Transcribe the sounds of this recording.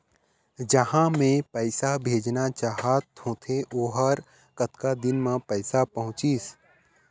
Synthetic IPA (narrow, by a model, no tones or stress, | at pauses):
d͡ʒəhãmẽpɛɪsabʱeːd͡ʒnat͡ʃaːɦat̪hõːt̪ʰeʔoːɦəɾ | kət̪kad̪ɪnmãpɛɪsapɐɦʊ̃t͡ʃis